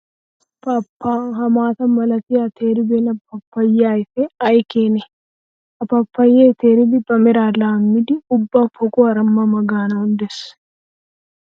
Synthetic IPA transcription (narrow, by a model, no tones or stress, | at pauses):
pɐpːaːɦɐmaːt̪ɐmɐlɐt̪ɪjɐt̪ʰeːɾɪbenɐpːɐpːɐjːaːjɪseɐjkeːnɛ | ʔɐpɐpːɐjːeːt̪eːɾɪbɪbɐmɪɾaːlaːmːɪd̪ɪʊbːɐfɔkʼʊɐɾɐmːɐmɐɡaːnɐhʊnd̪ɛs